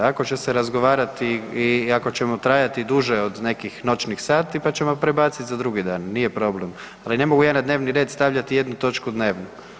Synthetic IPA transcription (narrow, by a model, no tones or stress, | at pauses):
ako̞t͡ʃe̞seɾazɡo̞ʋaːɾat̪iiako̞t͡ɕemo̞t̪ɾajat̪id̪uʒeo̞d̪ne̞kixno̞t͡ʃnixsaːt̪ipat͡ɕe̞mopɾebaːt̪sit̪zad̪ɾuɡid̪aːnːijepɾo̞ble̞m | aline̞mo̞ɡujaːnad̪ne̞ːʋniɾe̞ːd̪st̪aʋʎat̪ije̞d̪nut̪o̞t͡ʃkud̪ne̞ːʋnu